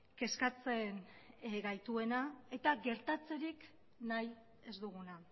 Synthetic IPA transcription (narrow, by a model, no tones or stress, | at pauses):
ke̞skat͡se̞nɡajt̪ue̞nae̞t̪aɡe̞ɾt̪at͡se̞ɾik | naj | e̞zd̪uɣ̞una